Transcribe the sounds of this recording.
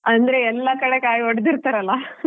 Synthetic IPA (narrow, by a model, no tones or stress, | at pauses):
ɐnd̪ɾe̞ɛlːɐkɐɽe̞kaːjoɽd̪iɾt̪ɐɾɐlːɐ